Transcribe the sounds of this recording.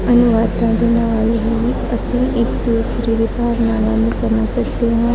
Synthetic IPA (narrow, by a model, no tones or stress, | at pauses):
ɐnʊʋaːd̪ãd̪enəʋaːleɦii | əsĩʔekd̪uːsɾiɾepaːɾnaːlãnũsɐməd͡ʒsɐkd̪eɦɛ̃ː